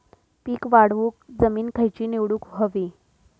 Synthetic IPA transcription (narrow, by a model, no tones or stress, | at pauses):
piːkʋaɽʋuːk̚d͡zəmiːnkʰəjt͡ɕiːneʋɽuːkɦəʋiː